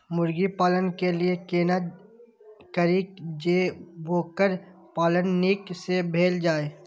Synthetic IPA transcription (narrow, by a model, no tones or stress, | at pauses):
mʊɾɡipaːlənkeliekeːna | kəɾiːkd͡ʒeːboːkəɾ | paːlənːiːksebʱeːld͡ʒaːeː